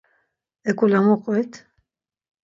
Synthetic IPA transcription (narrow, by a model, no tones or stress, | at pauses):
ɛkʼulamɔqʼɛt̪ʰ